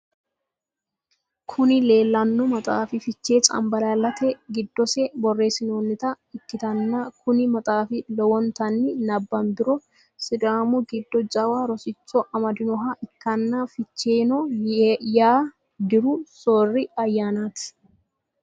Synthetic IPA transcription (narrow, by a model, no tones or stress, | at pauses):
kʰʊnɪle̞ːlːɐnːɔmɐt̪ʼaːfɪfɪt͡ʃːe̞ːt͡sʼɐ̰mbɐlalːɐt̪ʰɛɡɪd̪ːɔsɛbɔrːe̞ːsɪnoːnːɪt̪ɐ | ɪt̪ːɪt̪ɐnːɐkʰʊnɪmɐt̪ʼaːfɪlɔwɔnt̪ɐnːɪnɐbːɐmd̪ɪɾɔ | sɪd̪aːmɔɡɪd̪ːɔd͡ʒɐwaːɾɔsɪt͡ʃːɔʔɐmɐd̪ɪnɔɦɐʔɪkːɐnːɐfɪt͡ʃːeːnɔ | jaː | d̪ɪɾʊsoːrːɪɐjːaːnaːt̪ɪ̥